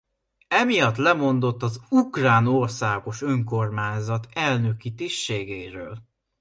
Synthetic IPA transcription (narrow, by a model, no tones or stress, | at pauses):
ɛmijɒt̪lɛmo̞nd̪o̞t̪ːɒzukraːnorsaːɡo̞ʃøŋko̞rmaːɲzɒt̪ɛlnø̞kit̪iʃːeːɡeːrø̰ːl